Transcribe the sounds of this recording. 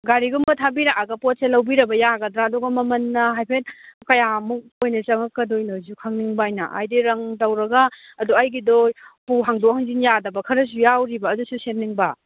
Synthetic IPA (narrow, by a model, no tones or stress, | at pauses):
ɡaɾiɡumbɐtʰabiɾaʔaɡɐpot̚selɐwbiɾɐbɐjaɡɐdɾaːdɔɡɐmɐmɐnːɐɦajpʰet̚kɐjamuk̚ojnɐt͡ʃɐŋɐkːɐdojnɐzukʰaŋniŋbaːjnɐ̰ʔa̰jdiɾɐŋtɐwɾɐɡɐː | duajɡidɔjpuɦaŋdokhaŋzinjadɐbɐkʰɐɾɐs̬ujawɾibɐːdususenniŋbɐ